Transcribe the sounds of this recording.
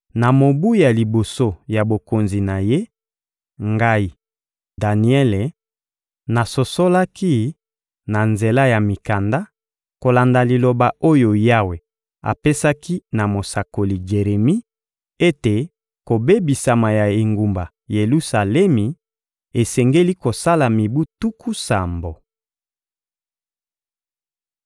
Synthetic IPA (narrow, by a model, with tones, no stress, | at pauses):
na˨mo˨bu˦ja˨li˨bo˨so˦ja˨bo˨ko˨nzi˨na˨je˦ | ŋɡa˦i˨ | da˨ni˨˦ɛ˦le˨ | na˨so˨so˦la˦ki˦ | na˨nze˨la˦ja˨mi˨ka˨nda˦ | ko˨la˨nda˨li˨lo˨ba˨o˦jo˨ja˦we˨ | a̰˨pe˦sa˦ki˦na˨mo˨sa˨ko˨li˨ɡe˨ʁe˨mi˦ | e˦te˨ | ko˨be˦bi˨sa˨ma˨ja˨e˨ŋɡu˨mba˨ | je˨lu˦sa˨lɛ˦mi˨ | e˨sɛ˨ŋɡe˦li˦ko˨sa˦la˨mi˨bu˦tu˦kʰu˦sa˨mbo˨